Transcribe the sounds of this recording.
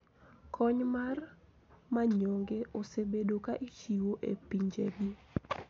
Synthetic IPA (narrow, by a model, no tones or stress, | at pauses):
kʰɔɲmar | maɲɔŋɡeʔosebedokaʔit͡ʃiwoʔḛpiɲd͡ʒḛɡi